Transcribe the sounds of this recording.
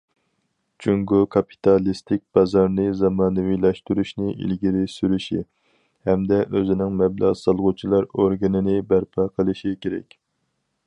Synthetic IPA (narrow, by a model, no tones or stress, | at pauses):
t͡ʃʰyŋɡokʰɑpʰi̥t̪ʰɑlˠist̪ʰɪk̚ʲb̥ɑzɑɾnɨzɑmɑːnɨwilɛʃt̪yɾyʃnɪḭlɡʲiɾɪsyɾyʃḭ | hɛmd̪ɛʔøzɪnɪŋmɛblˠɑ̰ʁsɑlˠʁʊt͡ʃʰilˠɑɾoɾɡɨnɪnɪbæɾpʰɑqʰəlˠɨʃikʲʰeɾɛ̰kʲ